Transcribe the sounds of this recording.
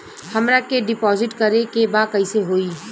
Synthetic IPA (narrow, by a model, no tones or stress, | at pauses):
hɐmɾakeɖɪpɔːzɪʈkɐɾekebakɐiseɦoːiː